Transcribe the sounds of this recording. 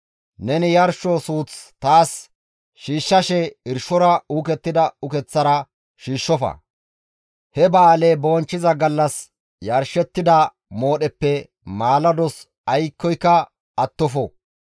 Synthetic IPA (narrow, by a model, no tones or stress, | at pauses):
nɛnɪjɐɾʃɔsuːt͡st̪aːs | ʃiːʃːɐʃɛɪɾʃɔɾɐuːkɛt̪ːɪd̪ɐʊkɛt͡sːɐɾɐ | ʃiːʃːɔfɐ̰ | hɛbaːlɛboːnt͡ʃːɪzɐɡɐlːɐs | jɐɾʃɛt̪ːɪd̪ɐ | mo̞ːɗɛpːɛ | maːlɐd̪ɔs | ɐjkːɔjkːɐ | ɐt̪ːɔfɔ